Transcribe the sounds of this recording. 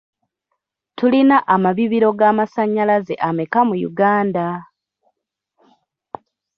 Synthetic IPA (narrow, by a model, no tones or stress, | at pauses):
tulinaʔamaβiβiɾo̞ɡamasaɲːalaze̞̰ʔamekamujṵɡaːnda